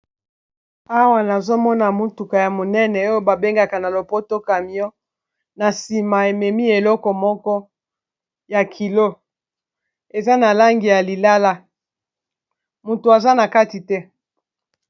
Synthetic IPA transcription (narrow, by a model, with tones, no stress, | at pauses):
a˦wa˦˨na˨zo˦mɔ˦na˨mu˦tu˨ka˨ja˨mo˨nɛ˦nɛ˨o˦jo˦ba˨be˦ŋɡa˨ka˨na˨lo˨po˦to˦ka˨mi˨ɔ˦ | na˨si˨ma˨e˨mɛ˨mi˦e˨lɔ˦kɔ˨mɔ˦kɔ˦ | ja˨kʰi˨lo˦ | e˨za˦na˨la˦ŋɡi˨ja˨li˨la˦la˦ | mu˨tu˨a˨za˦na˨ka˦ti˨tɛ˦